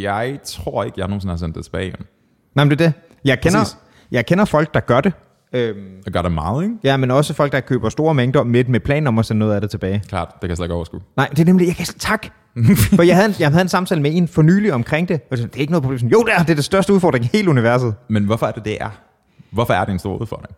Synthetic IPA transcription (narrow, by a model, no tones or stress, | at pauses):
jɑɪt͡sʰʁo̝ɐ̰eɡ̥əjɑhɐno̝ːnsenhɑsend̥ːet͡sʰe̥b̥ɛ̰ːɪen | nɑɪmnd̥eɐd̥e̝ | jɑ̈ɪkʰenɐ | jɑ̈ɪkʰenɐfɒ̽l̰ɡ̥̚d̥ɑ̈ɡ̥ɶɐd̥e̝ | ømɡ̥ɶɐɾ̥emɑ̈ːð̩ˠeɡjæmenɒ̽səfɒ̽l̰ɡ̥̚d̥ɑ̈kʰø̰ːb̥ɐsd̥o̝ːɐmeŋd̥ɐmed̥mepʰlɛ̰ːn̩ɒ̽mɒsennɔ̽ːð̩ˠædɾe̝t͡sʰeb̥ɛːɪkʰlɑ̰̈ːd̥d̥e̝kʰæjslɡɒʊɐsɡ̥unɑ̈ɪd̥e̝ɐnemlijɑ̈kʰæst͡sʰɑ̈ɡ̥ | fijhæðˠjɑɦæð̞ˠe̝nsɑ̈mt͡sʰɛ̰ːləmee̝nfɒ̽ny̰ːliɒ̽mkʰʁeŋ̰d̥e̝ɒ̥snd̥e̝æɐeɡ̥no̽ð̩ˠpʰo̥bl̝ːmsɒ̽njo̝ʊd̥eæɐd̥eɐd̥esd̥ɶɐsd̥əuðˠfɒ̰ːd̥ʁeŋhe̝ːləuniʋæɐs̬ð̞̩ˠmenʋɒfɒæɐd̥e̝d̥eʔæɐ | ʋɒfɒæɐd̥eensdo̝ːɐ̰uðˠfɒ̰ːd̥ʁeŋ